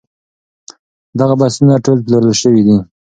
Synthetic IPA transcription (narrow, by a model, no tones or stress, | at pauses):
d̪aɣabasunaʈolplaɾəlʃəwid̪i